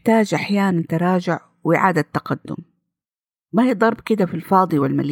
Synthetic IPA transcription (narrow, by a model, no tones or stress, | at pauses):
t̪aːd͡ʒʔaħjaːnant̪ɑɾˤɑːd͡ʒʊʕ | wʔɪʕa̰ːd̪at̪ːɑqad̪ːʊ̰m | mahiːd̪ˤɑɾˤbkɪd̪afilfɑːd̪ˤiwɪlma̰l